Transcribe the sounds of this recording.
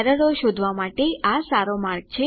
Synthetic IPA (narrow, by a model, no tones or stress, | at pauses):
ɾəɽoʃod̪ʱʋamaʈeasaɾomaɾk̚t͡ʃʰe